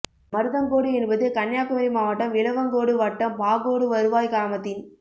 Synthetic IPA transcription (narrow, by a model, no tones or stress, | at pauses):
mɐɾɯðɐŋkoːɽɯɛnbɐðɯkɐnjaːkɯmɐɾimaːʋɐʈːɐmʋɪɭɐʋɐŋɡoːɽɯʋɐʈːɐmpaːɣoːɽɯʋɐɾɯʋaːjkaːmɐt̪ːɪn